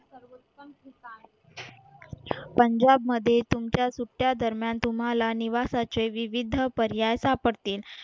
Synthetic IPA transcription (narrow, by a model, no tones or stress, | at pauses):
səɾʋot̪ːəmkit̪a | pəɲd͡ʑabməd̪ʱːjet̪umt͡ɕjasuʈːjad̪əɾmjant̪um̤ɦalaniʋasat͡ɕeʋiʋid̪ʱəpəɾjajsapəɽt̪iːl